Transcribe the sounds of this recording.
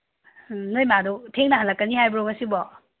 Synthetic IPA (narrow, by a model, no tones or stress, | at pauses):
nɯjmadɔtʰeŋnɐɦɐlːɐkːɐnihajbɾoŋɐsibɔ